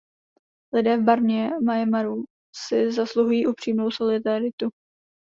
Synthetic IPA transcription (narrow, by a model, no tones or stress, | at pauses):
lɪdɛːvbaɾɲɛmajɛmaɾu | sɪzasluɦujiːʔupr̝̥iːmno̞wso̞lɪdaɾɪt̪u